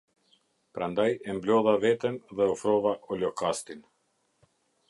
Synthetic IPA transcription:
pɾand̪ajɛmblɔðavɛt̪ɛnðɛɔfɾɔvaʔɔlɔkast̪in

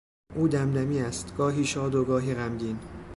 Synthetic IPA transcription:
ʔuːd̪æmd̪æmiːæst̪ɡ̥ɒːɦiːʃɒːd̪oɡɒːɦiːɣæmɟiːn

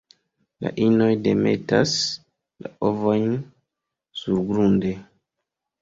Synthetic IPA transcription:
la̰ʔino̞jde̞me̞̰tas | laʔovo̞jn | suɾɡɾunde̞

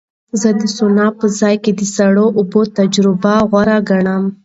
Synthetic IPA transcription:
zəd̪əsʊnɑpəzɑjked̪əsaɽoʔʊbot̪ad͡ʒɾɪbaɣwaɾaɡaɳam

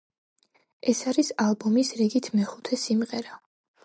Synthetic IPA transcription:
ɛsaɾisalˠbɔmisɾiɡit̪ʰmɛχut̪ʰɛsimʁɛɾa

